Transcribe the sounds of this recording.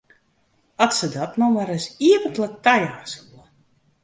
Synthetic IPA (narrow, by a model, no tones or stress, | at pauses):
atsədɔtnɔwmaɾəsiəvəntlək̚tajaːsuə